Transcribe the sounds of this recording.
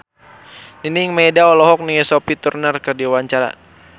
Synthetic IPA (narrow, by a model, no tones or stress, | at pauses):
niniŋmɛdaɔlɔɦɔk̚niŋɛsɔpit̪urnərkərdiwaɲt͡ʃaɾa̰